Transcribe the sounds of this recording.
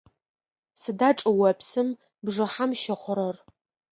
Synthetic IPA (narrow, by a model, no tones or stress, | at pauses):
sɨdaːʈ͡ʂʼɨwɐpʰsɨm | bʐɨħamʃɐχʷʊɾɐr